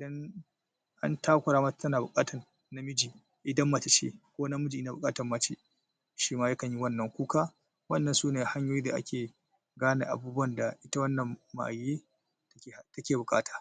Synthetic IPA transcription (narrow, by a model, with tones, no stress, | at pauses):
ʔɪ˨dɐ˦n | ʔa̰˦ntʰaː˦kʷʊ˨ɾaː˦ma˦˨tɐ˦naː˨bʊ˨kʼaː˦tʰɐ˨r | na˦mɪ˦d͡ʒiː˨ | ʔɪ˨dɐ˦mːa˨ta˨t͡ʃḛ˦kʷoː˦na˦mʊ˦d͡ʒi˨ʔɪ˦na˨bʊ˨kʼaː˦tɐ˨rmaː˦t͡ʃḛ˦ | ʃiː˦maː˦jɐ˦kɐ˨ɲji˦wɐ˦˨nːɐ˨ŋkʷuː˦kaː˦ | wɐ˦nːɐ˨nsuː˦neː˨ha˦ɲjoː˦jiː˦da̰˨ʔa̰˦kʲeː˨ | ɡaː˦na̰ː˨ʔa̰˨buː˦bʊ˦ɐ˨nda˨ʔɪ˦ta˦wɐ˦nːɐ˨mːa̰˨ʔa˨jːeː˦ | tkʲːhtɐ˦kʲeː˨bʊ˨kʼaː˦tʰḁː˨